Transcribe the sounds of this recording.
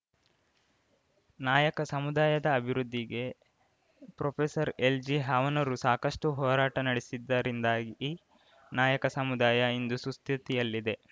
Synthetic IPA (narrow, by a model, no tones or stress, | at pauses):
naːjɐkɐsɐmud̪aːjɐd̪ɐːbʱiɾud̪ːiɡe̞ | pɾopʰesɐɾe̞ld͡ʒiɦaːʋɐnɐɾusaːkɐsʂʈuɦɔːɾaːʈɐnɐɽesid̪ːɐɾind̪aːɡi | naːjɐkɐsɐmud̪aːjɐind̪usust̪it̪ijɐlːid̪e̞